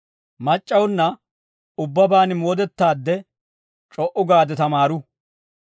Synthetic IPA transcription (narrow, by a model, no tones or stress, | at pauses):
mɐt͡ʃʼːɐwʊnːɐ | ʊbːɐbaːnɪmɔːd̪ɛt̪ːaːd̪ːɛ | t͡ʃʼɔʔʊɡaːd̪ɛt̪ɐmaːɾʊ